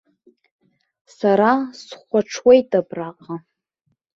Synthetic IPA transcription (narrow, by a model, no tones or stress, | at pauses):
saɾasχʷaʈ͡ʂʰwejtʼapʼraqʼa